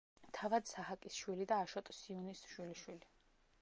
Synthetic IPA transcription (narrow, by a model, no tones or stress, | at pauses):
t̪ʰavad̪saɦakʼisʃwilid̪aːʃɔt̪ʼsiunisʃwiliʃwili